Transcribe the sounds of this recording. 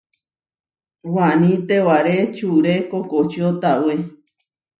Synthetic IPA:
wãnĩt̪ewaɾet͡ʃuɾekokot͡ʃot̪awe

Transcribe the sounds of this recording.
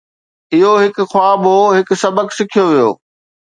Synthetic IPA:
ɪɦoɦɪkʊ̆xwaːboɦɪk̆sɐbəksɪkʰijoʋijo̰ː

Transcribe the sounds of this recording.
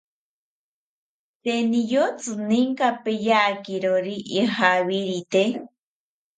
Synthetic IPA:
t̪enijot͡sɨniŋkapejakiɾoɾiʔːɦaβiɾit̪e

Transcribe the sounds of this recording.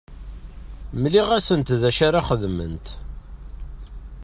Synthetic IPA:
mliʁæsənt̪ðæʃaɾaχəðmə̰nt̪

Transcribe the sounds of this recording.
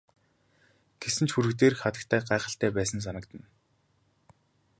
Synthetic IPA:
ɡ̥esɘ̆nt͡ɕxuɾɘ̆kt̪eːrxχat̪ə̆kt̪ʰæːɢaːχə̆ɬt̪æːpæːsə̆ns̬anə̆kt̪ə̆n

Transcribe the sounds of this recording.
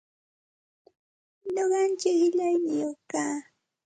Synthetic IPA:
loɢɑnt͡ʃɪkɪʎajnɪjoχkaː

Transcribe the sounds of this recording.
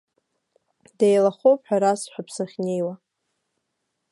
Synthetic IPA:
dejlaχowpʰʼħᶣaɾasħʷᶣapʰsaχʲnejwa

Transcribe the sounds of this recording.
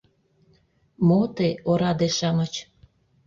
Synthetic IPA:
mot̪eoɾɑd̪eʃɑmɤt͡ɕ

